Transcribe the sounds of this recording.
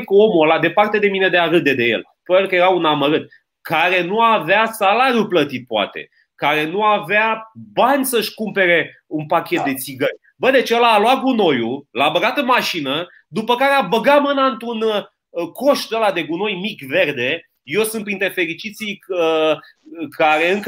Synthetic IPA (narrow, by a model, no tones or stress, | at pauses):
ko̞molad̪e̞part̪e̞d̪e̞mine̞d̪eaɾɨd̪e̞d̪e̞je̞̰l | pəelkəjeɾaunaməɾɨt̪̚ | kaɾe̞nuaveasalaɾjuplət̪it̪̚poa̰t̪e̞̰ | kaɾe̞nuaveabanʲsəʃkumpe̞ɾe̞unpakʲe̞t̪̚d̪e̞t̪siɡərʲ | bəd̪e̞t͡ʃeelaloaɡuno̞julaːbəɡat̪ɨnmaʃinə | d̪upəkaɾeabəɡamɨnaɨnt̪ɾun | ko̞ʃd̪elad̪e̞ɡuno̞jmikve̞rd̪e̞ | je̞wsɨnt̪pɾint̪ɾe̞fe̞ɾit͡ʃit̪sijə | kʰaɾe̞ɨŋk